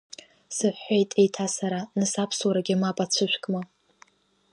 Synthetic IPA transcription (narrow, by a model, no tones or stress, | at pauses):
sɨħːejtʼejtʰasaɾanɨsapʰswaɾaɡʲɪamapʼat͡ɕʷʰɨʃʷᶣkʼma